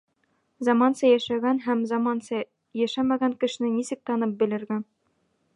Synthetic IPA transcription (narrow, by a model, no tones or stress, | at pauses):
zɑmɑnsɑjæʃæɡænɦæmzɑmɑnsɑ | jæʃæmæɡæŋkɘ̆ʃɘ̆nɘnisɘk̚t̪ɑnɤp̚bɘ̆lɘ̆ɾɡæn